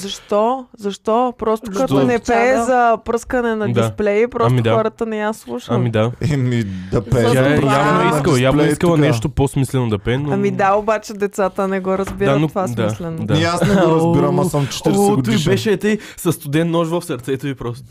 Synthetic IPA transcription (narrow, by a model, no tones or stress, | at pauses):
zɐʃt̪ɔzɐʃt̪ɔpɾɔst̪okɐt̪onɛpɛzɐpɾɤskənɛnɐd̪iasplɛjpɾɔsamiaxɔɾət̪ənɛjaslˠuʃamid̪aɛmid̪ɐpɛjaɛjabnoɛidkəlˠjab̪ɛikəlˠɐnɛʃt̪oposmislɛnod̪ɐpɛnoɐmid̪aobat͡ʃɛd̪ɛt̪sat̪ənɛɡɔɾɐzbiɾanovasmd̪aislɛnd̪aɛasnɛɾɐziɾəmasamt͡ʃɛ̥iɾɡ̪uibɛʃɛt̪ɛjsɐst̪ʊd̪ɛnnɔʃvɐfsɐɾt̪sɛt̪oipɾɔst̪o̥